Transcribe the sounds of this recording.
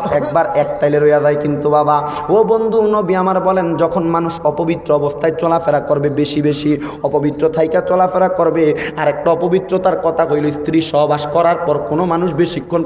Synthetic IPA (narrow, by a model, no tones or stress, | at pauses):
ɛkbaɾɛk̚t̪ajleɾojad͡ʑajkint̪ubaba | obond̪ʱunobiamaɾbɔlend͡ʑɔkʰonmanuʃɔpobit̪ːɾoɔbost̪ʰaet͡ɕɔlafeɾakɔɾbebeʃibeʃi | ɔpobit̪ːɾot̪ʰajkat͡ɕɔlafeɾakɔɾbeaɾɛk̚ʈaɔpobit̪ːɾot̪aɾkɔt̪ʰakojlojst̪ʰɾiʃɔɦobaʃkɔɾaɾpɔɾkonomanuʃbeʃikʰːon